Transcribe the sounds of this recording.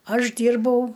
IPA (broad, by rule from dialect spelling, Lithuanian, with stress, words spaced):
ˈɐʃ ˈdʲiːrbɐʊ